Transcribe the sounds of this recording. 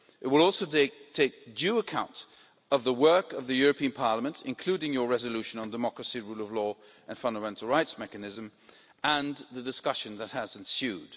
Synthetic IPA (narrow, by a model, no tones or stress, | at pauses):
ʔɨt̚wəlˠɔˑlˠsoʊtʰeɪk̚dʉəkʰãʊ̃nt | ʌvðəwɜ˞kʌvðɨjʊɹɨpʰĩɨ̃npʰɑɹləmə̃ntʰɨ̰̃nkʰl̥ʉɾɪ̃ŋjə˞ɹɛzɨlʉʃɨ̃nə̃ndəmɑkɹɨsiɹulˠʌvlɔ | ʔɨ̃nfʌ̃ndəmɛ̃ntˡl̩ˠɹaɪtsmɛkɨnɪzɨ̃m | ə̃nðɨdɨskʌʃɨ̃nðət̚həzɨ̃n̩sjʉd̥